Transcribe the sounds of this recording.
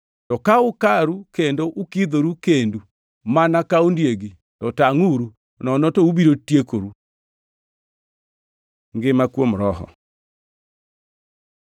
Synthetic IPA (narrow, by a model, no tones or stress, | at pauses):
tɔkaokaɾukendoʔokiðoɾukendu | manakaondjeɡi | tɔtaŋuɾu | nɔnɔtouβiɾotjekoɾu | ŋɡemakwɔmoɾɔɦɔ̰